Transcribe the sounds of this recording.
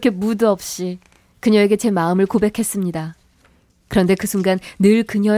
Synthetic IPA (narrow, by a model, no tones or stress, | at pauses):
kʰe̞muduʌp̚ɕ͈i | kɯɲʌeɡe̞t͡ɕe̞maɯmɯɭkobe̞kʰe̞s͈ɯmɲida | kɯɾʌnde̞kɯsʰuŋɡanːɯɭkɯɲʌ